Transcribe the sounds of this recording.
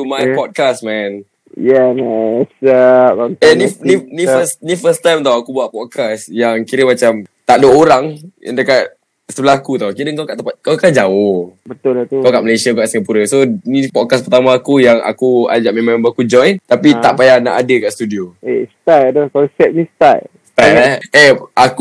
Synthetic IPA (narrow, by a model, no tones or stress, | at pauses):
t̪umapɔd̚kasmɛ̃n | jɛmɛsaɔɛnininifəsnifəst̪ajmt̪awakubuaʔpɔt̚kʰasjaŋkiɾəmat͡ʃamt̪aʔdooɾaŋja̰ndəkaʔ̪̚ | səbəlahkut̪akiɾəŋkawkaʔt̪əpat̪̚kawkaʔd͡ʒaohbət̪ʊlat̪ukawkaʔməlesiauɡaʔsəŋapuɾəsonipɔd̚kaspərt̪amãːkujaŋʔa̰kua̰d͡ʒaʔmemãŋebaakud͡ʒɔ̃jnt̪apit̪aʔpajana̰ʔadəkaʔst̪udioest̪ajadəkɔnsɛt̪̚nĩst̪ajst̪aɛʔaku